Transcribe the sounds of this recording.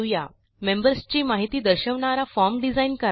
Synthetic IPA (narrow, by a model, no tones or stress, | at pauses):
ja̰ | membəɾst͡ɕiːmaɦit̪iːd̪əɾɕəʋɳaɾafɔɾmɖid͡zainkəɾ